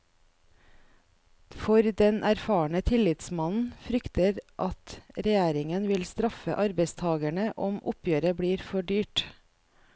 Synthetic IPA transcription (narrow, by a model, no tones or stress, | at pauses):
fɔɾd̪ɛnʔæɾfɑːɳət̪ʰɪlɪt̪smɑnn̩fɾʏkt̪əɾʔɑt̪ɾɛjæːɾɪŋənʋɪlst̪ɾɑfə̰ʔɑɾbəɪst̪ʰɑːɡæɳəʔɔmʔʊ̰pjøːɾəbɽiːɾfɔɖyːʈ